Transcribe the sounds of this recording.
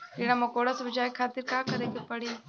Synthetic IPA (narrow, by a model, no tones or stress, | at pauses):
kiːɽ̃amɐkoːɽasɐbɐd͡ʒaːjekʰaːt̪ɪɾkaːkɐɾẽːɡepɐɽi